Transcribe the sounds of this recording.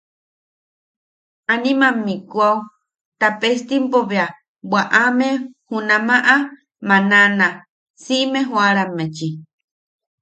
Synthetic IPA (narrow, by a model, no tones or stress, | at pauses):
anĩmãmikuaw | t̪apest̪impoβea | bwaʔamehunãmaʔa | mãnãnã | simeɦwaɾamet͡ʃi